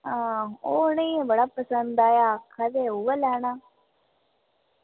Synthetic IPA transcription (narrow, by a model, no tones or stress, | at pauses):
ãːonẽẽbəɽaːpəsənd̪aːjaːkʰad̪eːɦuʋelɛːɳaː